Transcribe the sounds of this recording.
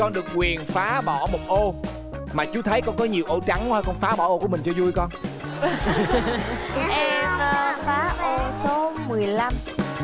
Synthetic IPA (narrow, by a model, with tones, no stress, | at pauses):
kɔ˧nɗɨ˨˩ək̚kwi˨˩ənfaː˨˦ɓɔ̰˧˩˨mo˨˩t̚ʔo˧ | maː˨˩t͡ɕu˨˦t̪ʰə˨˦jkɔ˧nkɔ˨˦ɲi˨˩əwʔo˧˩t͡ɕa˨˦ŋaː˧jkɔ˧nfaː˨˦ɓɔ̰˧˩ʔo˧ku˧˩əmï˨˩ŋ̟t͡ɕɔ˧zu˧jkɔ˧n˨ | ʔɛ˧faː˨˦ɛ˧so˨˦mɨ˨˩əjla˧m